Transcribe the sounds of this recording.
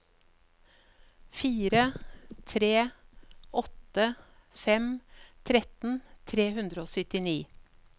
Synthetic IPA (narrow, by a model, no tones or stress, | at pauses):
fiːɾət̪ʰɾeːʔɔt̪əfɛmt̪ʰɾɛt̪n̩t̪ʰɾeːhʉnd̪ɾəoːsʏt̪ɪniː